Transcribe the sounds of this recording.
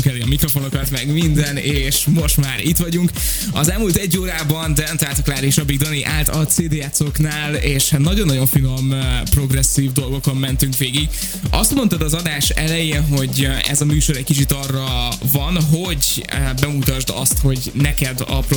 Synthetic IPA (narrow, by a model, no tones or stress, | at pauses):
kɛleːɒmikro̞fo̞no̞kɒt̪mɛɡmind̪ɛneːʃmo̞ʃt̪maːɾit̪ʋɒɟuŋk | ɒzɛlmuːlt̪ɛɟːoːɾaːbɒnd̪ɛnɛmt̪laːlt̪ɒklaːɾiʃɒbiɡd̪ɒniʔaːlt̪ɒt̪seːd̪eːɛt̪soknaːleːʃhat̪nɒɟonːɒɟo̞ɱfinompro̞ɡrɛsːiːvd̪o̞lɡo̞komːɛnt̪yŋkʋeːɡiɡ | ɒ̰st̪mo̞nt̪ɒd̪ɒzɒd̪aːʃɛ̰lɛjeːnɦo̞ɟɛ̰zɒmyːʃo̞ɾɛckit͡ʃit̪ɒrːɒvɒnɦo̞ɟbɛmut̪ɒʒd̪ɒ̰st̪ho̞ɟnɛkɛd̪ɒ̰p